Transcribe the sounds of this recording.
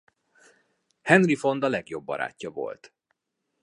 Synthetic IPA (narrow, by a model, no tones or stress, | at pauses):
hɛnrifo̞nd̪ɒlɛɡjo̞bːɒ̰ɾa̰ːcːɒvo̞̰lt̪